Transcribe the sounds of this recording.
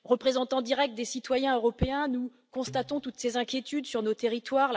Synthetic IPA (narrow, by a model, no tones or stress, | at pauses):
ʁəpχezɑ̃t̪ɑ̃d̪iʁɛk̚t̪̚d̪esit̪wajɛ̃øʁɔpeɛ̃nu | kɔ̃st̪at̪ɔ̃t̪ut̪sezɛ̃kʲjet̪yd̪syʁnot̪eʁit̪waʁl